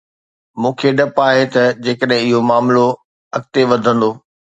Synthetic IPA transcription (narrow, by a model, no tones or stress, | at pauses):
mũːkʰeɗɐpaːɦet̪ɐd͡ʑeːkəɗɦɪ̃ɪɦomaːmlo | ɐk̚t̪eʋɐd̪ʱə̃nd̪oː